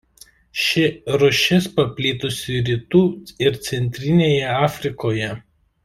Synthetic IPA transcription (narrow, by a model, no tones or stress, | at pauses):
ʃʲɪɾʊʃʲɛspɐpʲlʲiːt̪ʊsʲɪɾʲiːt̪uːɪɾt̪sʲɛnʲt̪ʲɾʲɪnʲeːjɛɑːfʲɾʲɪkoːjɛ